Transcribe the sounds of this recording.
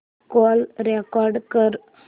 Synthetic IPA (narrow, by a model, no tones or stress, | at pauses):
koːlɾekaːɾɖkəɾ